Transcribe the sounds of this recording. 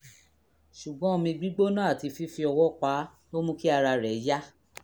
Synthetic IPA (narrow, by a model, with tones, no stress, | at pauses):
ʃu˨ɡ͡bɔ̃˨˦o˧mĩ˧ɡ͡bi˦ɡ͡bo˦nã˦a˦˨ti˧fi˦fi˧ɔ˧wɔ˦k͡pa˨˦lo˦mũ˦ki˦a˧ɾa˧ɾɛ˨˦ja˦